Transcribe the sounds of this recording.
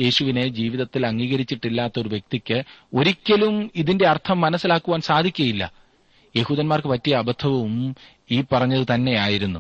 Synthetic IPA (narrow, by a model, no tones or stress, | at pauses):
je̞ːɕuʋine̞d͡ʑiːʋiðɐt̪ːilɐŋːiːɣɐɾit͡ɕːiʈːilːaːt̪ːɐo̞ɾuʋje̞k̚t̪ikʲːɨo̞ɾikʲːɐlumiðinde̞ɐrt̪ʰɐmːɐnɐsːilaːkːuʋaːnsaːd̪ʱikʲːɐjilːɐ̰ | je̞huːðɐnmaːrkɨpɐtːijɐːbɐt̪ʰːɐʋɐʋum | iːpːɐrɐɲːɐðɨt̪ɐnːe̞jaːjiɾunːu